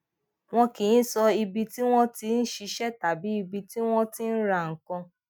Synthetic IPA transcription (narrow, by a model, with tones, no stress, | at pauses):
w̃ɔ̃˦kĩ˨ĩ˦sɔ˧i˧bi˧ti˦w̃ɔ̃˦ti˧˦n̩˦ʃi˧ʃɛ˦ta˨bi˨˦i˧bi˧ti˦w̃ɔ̃˦tĩ˦n̩˦ɾa˧˨ŋ̩˨kã˧